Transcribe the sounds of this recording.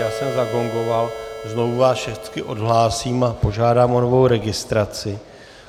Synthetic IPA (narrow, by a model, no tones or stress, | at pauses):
jaːsɛmzaɡo̞ŋɡo̞valzno̞vuvaːsʃɛxt͡skɪʔo̞dɦlaːsiːmapo̞ʒaːdaːmʔo̞novo̞wɾɛɡɪst̪ɾat͡sɪ